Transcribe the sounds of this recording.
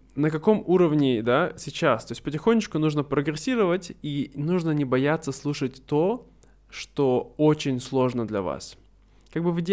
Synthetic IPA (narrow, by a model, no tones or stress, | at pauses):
nəkɐko̞muɾəvnʲɪd̪asʲɪt͡ɕast̪o̞ɪsʲtʲpətʲɪxonʲːɪt͡ɕkʊnuʐnəpɾəɡɾɪsʲiɾəvətʲinuʐnənʲɪbɐjat̪sːəslˠuʂət̚ʲt̪o | ʂt̪oot͡ɕɪnʲslˠo̞ʐnəd̪lʲɐ̰va̰s | kaɡ̚bɨvɨdʲ